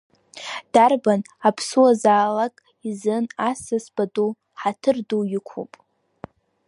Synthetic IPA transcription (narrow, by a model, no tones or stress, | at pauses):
d̥arban | apʰsuazaːlakʼ | izɨnasɨsb̥adu | ħatʰɨrdujɪkʷʰṵpʼ